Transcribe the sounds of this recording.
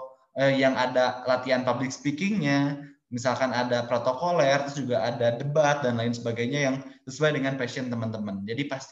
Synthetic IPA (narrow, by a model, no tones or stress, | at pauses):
əjaŋadalat̪ianpablɪksə̥pikɪŋɲa | misalkanadapɾot̪okolɛrt̪ɾʊsd͡ʒuɡaːdadəbat̪̚danlaɪnsəbaɡajɲajaŋsəsuajdəŋanpasiənt̪əmənt̪əmənd͡ʒadipast̪